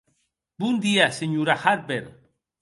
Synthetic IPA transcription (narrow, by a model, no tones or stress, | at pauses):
bund̪iaseɲuɾaxaɾbeɾ